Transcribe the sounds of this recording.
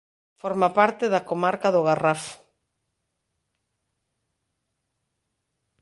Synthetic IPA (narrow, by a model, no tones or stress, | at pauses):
fɔɾmapaɾt̪eðakomaɾkaðʊɣarafʊ̥